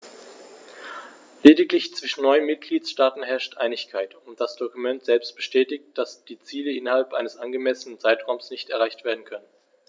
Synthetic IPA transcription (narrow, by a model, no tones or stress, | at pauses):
leːdɪklɪçt͡sv̥ɪʃn̩nɔʏnmɪt̚ɡ̥liːtʃtaːtn̩ɦɛɐʃtʔa̰ɪnɪçkʰaɪtʊnt̚d̥asd̥okumɛntz̥ɛlpst̚b̥əʃtɛːtɪçt̚d̥asd̥iːt͡siːləɪnɐhalpʔaɪnəsʔanɡəmɛsənənt͡saɪtʁ̥aʊmsnɪçtɛɐʁaɪçtv̥eːɐdn̩kʰœnən